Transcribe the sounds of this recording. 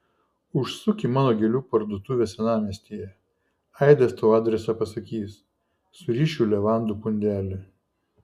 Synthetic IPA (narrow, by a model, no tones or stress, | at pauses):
ʊʃsʊkʲɪmɑːnoːɡʲelʲuːpɐɾd̪oːt̪ʊʋʲesʲɛnɑːmʲeːsʲt̪ʲijɛ | ɐɪd̪ʲɛst̪oːɑːd̪ʲɾʲɛsɑpɐsɐkʲiːs | sʊɾʲiːʃʲuːlʲɛʋɑˑnd̪uːpʊnʲd̪ʲæːlʲɪ